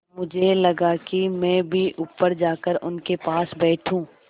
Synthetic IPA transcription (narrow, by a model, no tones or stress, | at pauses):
mʊd͡ʒʱelɐɡakimɛ̃ːbʱiʔʊpːəɾd͡ʒaːkəɾʊnkepaːsbɛːʈʰũː